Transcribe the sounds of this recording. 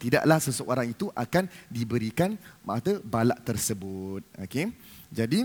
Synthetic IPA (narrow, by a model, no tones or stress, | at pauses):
t̪ida̰ʔlahsəsəʔoɾaŋit̪uʔakandibəɾikanmaʔat̪əbalaʔt̪ərsəbʊt̪̚o̰ke | d͡ʒadi